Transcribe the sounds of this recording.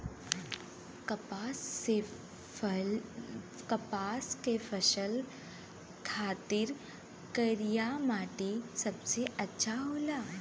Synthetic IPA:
kɐpase | kɐpaːskefʰəʃəl | kʰaːt̪iɾ | kəɾijamaːʈesɐbseɐtːʃʰaɦoːla

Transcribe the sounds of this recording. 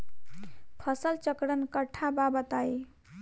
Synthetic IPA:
pʰəsəlt͡ʃəkɽənkəʈʰːababət̪aj

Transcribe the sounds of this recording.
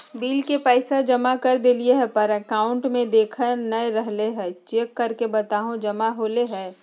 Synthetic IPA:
biːlkepɛɪsad͡ʒɐmakəɾd̪elieɦɛpəɾəkaːʊ̃ɳʈmẽd̪eːkʰəɾnəeɾəɦleɦɛ̃ːt͡ʃeːkːɐɾkebɐt̪aːɦõd͡ʒɐmaɦoːleɦɛː

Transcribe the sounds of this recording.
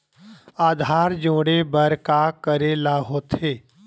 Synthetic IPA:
aːd̪ʱaːɾd͡ʒõːɽebəɾkakəɾelaːɦoːt̪ɦeː

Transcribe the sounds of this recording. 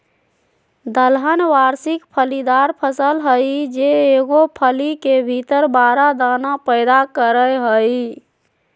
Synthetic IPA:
d̪əlɦənʋaɾsikpʰəlid̪aɾpʰəsəlɦəjd͡ʒeːɡopʰəlikebʱit̪əɾbaɾad̪anapəɪd̪akəɾəjɦəj

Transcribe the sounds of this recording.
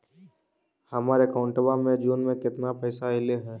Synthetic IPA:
hɐmaːɾekɔːʊɳʈəbamẽd͡ʒuːnmẽkɪt̪napɛːsaɪleɦɛ̃ː

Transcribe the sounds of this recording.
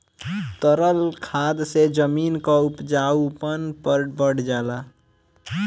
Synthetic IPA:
t̪əɾəlkʰad̪sed͡ʒəminkaupd͡ʒaupənpəɾbəɽd͡ʒala

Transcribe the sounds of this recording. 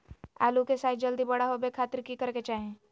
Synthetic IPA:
a̰ːlukesaːt̪d͡ʒəld̪ibɐɽaɦobekʰaːt̪əɾkikəɾket͡ʃaːɦẽː

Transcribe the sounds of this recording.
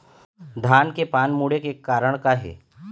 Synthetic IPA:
d̪ʱaːnkepaːnmuːɽekekaːɾəɽ̃kaɦɛ̰ː

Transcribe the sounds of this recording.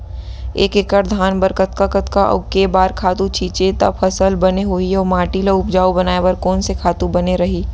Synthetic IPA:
eːkekəɾd̪ʱaːnbəɾkət̪kakət̪kaʔɔ̰ɡkebaːɾkʰaːt̪ũt͡ʃʰiːt͡ʃet̪ɐ̰bfɐsəlbɐneɦoiɔːmaːʈilaʊp̚d͡ʒaːubɐnaːebɐɾkɔːnsekʰaːt̪ũbɐneɾɐɦiː

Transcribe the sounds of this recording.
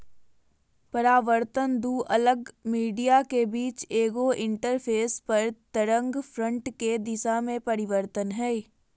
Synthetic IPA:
pɐɾaːʋəɾt̪ənd̪uʔɐləɡmiːɖijakebiːt͡ʃeːɡoʔɪ̃ɳʈəɾpʰeːspɐɾt̪əɾə̃ŋɡfʰɾə̃ɳʈked̪ɪsamẽpɐɾɪʋəɾt̪ənɦɛː

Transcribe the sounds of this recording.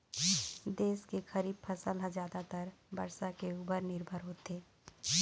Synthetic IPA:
d̪eːskexɐɾiːb̚pʰɐsəlɦə̃zaːd̪at̪əɾbɐ̰ɾsakeuːpəɾnɪɾbʱəɾɦoːt̪eː

